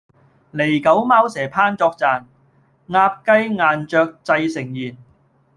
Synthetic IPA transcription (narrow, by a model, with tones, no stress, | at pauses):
le˨˩jkɐ˨˥wmaː˥wsɛː˨˩pʰaː˥nt͡sɔː˧k̚t͡saː˨n | ŋaː˧p̚kɐ˥jŋaː˨nt͡ʃœː˧k̚t͡sɐ˧jsɪ˨˩ŋjiː˨˩n